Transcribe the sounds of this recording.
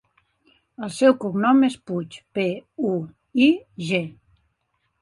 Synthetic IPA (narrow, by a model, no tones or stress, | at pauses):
əlˠsɛwkuɡnɔmesput͡ʃpeu | iʒe